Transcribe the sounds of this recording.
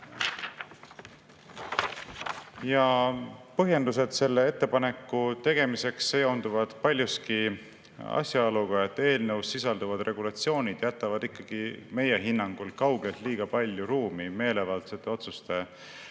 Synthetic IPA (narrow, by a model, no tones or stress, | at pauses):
jɑpɤɦje̞nd̪us̬e̞d̪̥se̞lːe̞e̞t̪ːe̞pɑne̞kːˑut̪e̞ɡ̥e̞mise̞ksːejownd̪uvɑd̪̥pɑlʲjuski | ɑ̰sʲjɑoluɡ̥ɑe̞t̪ːˑe̞ːlnəwsːisɑld̪uvɑd̪̥rʔe̞ɡ̥ulɑt̪sio̞ːnʲid̪̥jæt̪ːˑɑvɑd̪ikːɑɡ̥ime̞je̞ɦinːɑŋɡ̥ulkɑwɡ̥elt̪liːɡ̥ɑpɑlʲjuɾuːmime̞ːle̞vɑlt̪set̪ːˑe̞o̞t̪sust̪e̞